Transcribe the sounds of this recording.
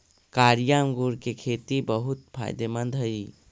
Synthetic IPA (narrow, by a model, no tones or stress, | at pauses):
kaːɾijaŋɡuɾkekʰeːt̪ibəɦʊt̪pʰa̰ːɪd̪emənd̪ʱɦəi